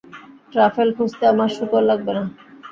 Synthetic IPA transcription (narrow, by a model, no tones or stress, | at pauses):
ʈɾafelkʰust̪eamaɾʃukoɾlaɡ̚bena